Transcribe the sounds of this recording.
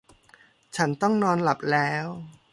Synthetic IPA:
t͡ɕʰa˦˥nt̪ɔ˥˩ŋnɔː˧nla˨˩p̚lɛː˦˥w

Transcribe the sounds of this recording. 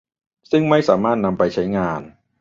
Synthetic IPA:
sɯ˥˩ŋma˥˩jsaː˩˦maː˥˩t̪̚na˧mpa˧jt͡ɕʰa˦˥jŋaː˧n

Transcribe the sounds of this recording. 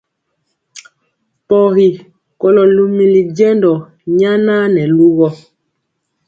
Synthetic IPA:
pɔ˨hi˨ | kɔ˦lɔ˨lu˦mi˦li˨d͡ʒɛ˦ndɔ˨ | ɲa˦na˦nɛ˨lu˦ɣɔ˦

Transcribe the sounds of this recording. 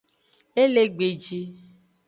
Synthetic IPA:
e˦le˦ɡ͡be˨d͡ʒi˦

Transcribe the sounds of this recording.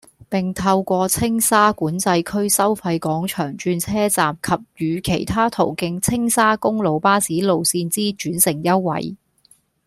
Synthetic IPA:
pɪ˨˩ŋt̪ʰɐ˧wkʷɔː˧t͡sʰɪ˥ŋsaː˥kuː˨˥nt͡sɐ˧jkʰɵ˥ɥsɐ˥wfɐ˧jkɔː˨˥ŋt͡ʃʰœː˨˩ŋt͡ʃyː˧nt͡sʰɛː˥t͡saː˨mkʰɐ˨p̚jyː˨˧kʰe˨˩jt̪ʰaː˥t̪ʰo̰˨˩wkɪ˧ŋt͡sʰɪ˥ŋsaː˥kʊ˥ŋlo˨˧wpaː˥siː˨˥lo˨wsiː˧nt͡siː˥t͡ʃyː˨˥nsɪ˨˩ŋjɐ˥wwɐ̰˨˥j

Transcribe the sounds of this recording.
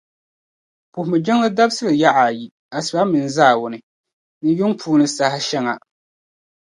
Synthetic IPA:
pʊ˨hʊ˨mɨ˨d͡ʒɛ˦ŋlɨ˦da˦bsɨ˦lɨ˨ja˦ʔa˨ji˨ | a˨sɨ˨ba˦mɨ˨n˨zaː˦˨wʊ˨nɨ˨ | nɨ˦jʊ˦ŋpʰuː˦nɨ˨sa˨ha˦ʃɛ˦ŋa˨

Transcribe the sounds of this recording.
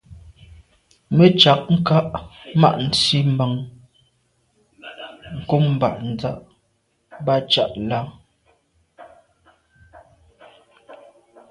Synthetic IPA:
mə˦t͡ʃa˨k̚ŋ̩˦ka˦ʔma̰˦ʔn̩˨t͡si˦ma˨ŋ | ŋ̩˨ko˦mm˨ba˨ʔn̩˨d͡za˦ʔ | ba˦t͡ʃa˦˨ʔla˦

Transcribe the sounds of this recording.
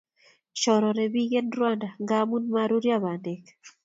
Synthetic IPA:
t͡ʃɔ˨ɾɔ˨ɾɛ˨bi˦ɡe˦nɾwa˦nda˨ŋɡa˦mu˦nma˦ɾu˦ɾja˦ba˨ndɛ˨k

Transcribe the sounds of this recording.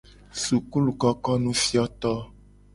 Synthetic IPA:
su˨ku˦lu˨kɔ˦kɔ˦nũ˦fi˦ɔ˦t̪ɔ˦

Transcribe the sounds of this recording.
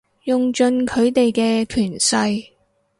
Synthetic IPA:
jʊ˨ŋt͡ʃɵ˧nkʰɵ˨˧ɥt̪e˨jkɛː˧t̪ʰyː˨˩nsɐ˧j

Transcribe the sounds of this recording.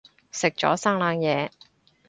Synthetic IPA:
sɪ˨k̚t͡ʃɔ̰ː˨˥saː˥ŋlaː˨˧ŋjɛː˨˧

